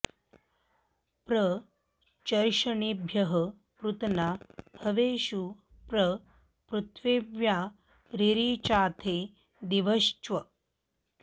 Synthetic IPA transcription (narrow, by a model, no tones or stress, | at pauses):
pɾə | t͡ʃɐɾʃɐɳibʱjɐɦə | pɾut̪nabʱɐʋeːɕu | pɾə | pɾut̪ʰʋeʋja | ɾiɾiːt͡ʃaːt̪ʰeː | d̪iʋəʃt͡ʃʋɐ